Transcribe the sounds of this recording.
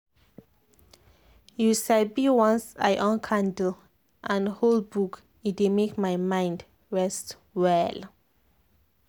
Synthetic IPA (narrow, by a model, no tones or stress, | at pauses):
jusabiwɔ̃nsa̰jʔɔ̃nkʰãndəl | ʔãnholbuk | it̚wemekmajmãj̃nd | ɹɛst | wɛl